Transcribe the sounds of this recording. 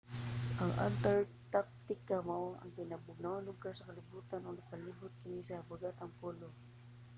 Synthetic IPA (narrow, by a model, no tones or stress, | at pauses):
ʔɐŋʔa̰nt̪ɛɹt̪ak̚t̪ɪkamoɐ̰ŋkɪnabʊɡ̚nawɐŋlʊɡaɹsɐkɐlɪbuːt̪anoŋnɐɡpɐliːbʊt̪̚kɪnisɐbaɡat̪ɐŋpoːlo